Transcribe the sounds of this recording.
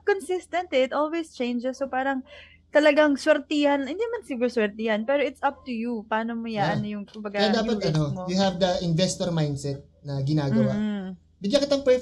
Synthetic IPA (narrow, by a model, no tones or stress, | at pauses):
konsɪst̪ɐ̃nt̪iɪt̪ʔolwest͡ʃẽjnd͡ʒɛsːopaːɾɐŋ | t̪ɐlɐɡaŋswɛɾt̪ijɐnhɪnd̪inɐmɐnsɪɡuɾswɛɹt̪ijɐnpɛːɾoʔɪt̪sɐp̚t̪ujupɐaːnomojanjʊŋkʊmbɐɡajad̪aːpɐt̪ɐnomjʊɦɐvd̪ɐʔɪnvɛst̪oɾmajnd̪sɛt̪̚nɐɡɪnaːɡɐwa | bɪɡjɐkɪt̪aŋpɛ